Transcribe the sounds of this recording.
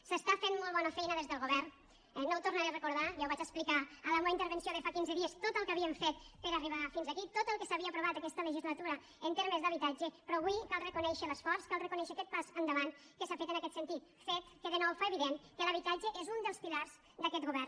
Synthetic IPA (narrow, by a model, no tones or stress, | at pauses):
səst̪afenmolˠβɔnəfɛjnəðezðəlˠɣuβɛɾn | ɛnːowt̪urnəɾerekuɾðajawβat͡ʃəsplikaələmoint̪əɾβənsjoðəfakinzəðiəst̪ot̪əlˠkəβiəɱfet̪̚pəɾəriβafinzəkit̪ot̪əlˠkəsaβiəpɾuβat̪akɛst̪ələʒizlat̪uɾə | ənt̪eɾməzd̪əβit̪ad͡ʒəpɾɔβwikalˠrəkunɛʃələsfɔɾskalˠrəkunɛʃəkɛt̪̚pazənd̪əβan | kəsafet̪ənakɛt̪sənt̪it̪ | fet̪̚kəðənɔwfaeβiðeŋkələβ̞it̪ad͡ʒəʔezund̪əlˠspilaɾz̥ | d̪əkɛt̪ɣuβɛr